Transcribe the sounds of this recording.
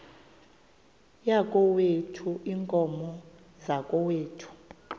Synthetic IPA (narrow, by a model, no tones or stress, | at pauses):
jakʼɔwetʰuʔiŋkʼɔmɔ | zakʼɔweːtʰu̥